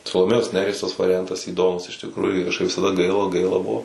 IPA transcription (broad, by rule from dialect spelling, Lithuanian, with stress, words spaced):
sɐlˠoːˈmʲeːjoːs ˈnʲæːrʲiɛs tɐs ʋɐrʲɪˈjɛntɐs iːˈdoːmʊs ɪʃ tʲɪkˈruːjʊ kɐʃˈkɐɪp ʋʲɪsɐˈdɐ ˈɡɐɪlˠɐ ˈɡɐɪlˠɐ ˈbʊʋoː